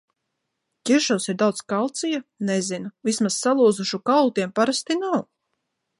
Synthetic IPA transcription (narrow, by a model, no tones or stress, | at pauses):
ciʃawsiɾd̪awt̪skalˠt̪sijanɛzinuvismassalˠuɔzuʃukalˠt̪iɛmpaɾast̪inaw